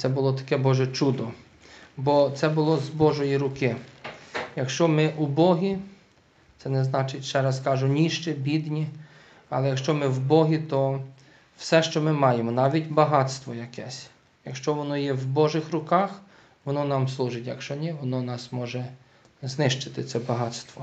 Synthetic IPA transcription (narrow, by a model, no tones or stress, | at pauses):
t̪sɛbʊlˠɔt̪ɐ̥kɛbɔʒɛt͡ʃud̪ɔ | bɔt̪sɛbʊlˠɔzbɔʒɔjiɾʊkɪ | jɐkʃt͡ʃɔmɪʔubɔɦʲi | t̪sɛnɛznɑt͡ʃɪtʲʃt͡ʃɛɾɐskɑʒʊnʲiʃt͡ʃɛbʲid̪nʲi | ɐ̰lˠɛjɐkʃt͡ʃɔmɪwbɔɦʲit̪ɔ | wsɛʃt͡ʃɔmɪmɑjemɔnɑʋʲitʲbɐɦɑt̪st̪ʋɔjɐkɛsʲ | jɐkʃt͡ʃɔʋɔnɔjɛwbɔʒɪxɾʊkɑx | ʋɔnɔnɑmslˠuʒɪtʲjɐkʃt͡ʃɔnʲɛʋɔnɔnɑsmɔʒɛ | znɪʃt͡ʃɪ̥t̪ɪt̪sɛbɐɦɑt̪st̪ʋɔ